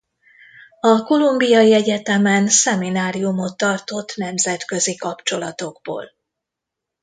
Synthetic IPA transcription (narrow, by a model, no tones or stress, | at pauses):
ɒko̞lumbijɒjiɛɟɛt̪ɛmɛnsɛminaːɾijumo̞t̪ːɒrt̪o̞t̪ːnɛmzɛt̪kø̞zikɒpt͡ʃo̞lɒt̪o̞ɡbo̰ːl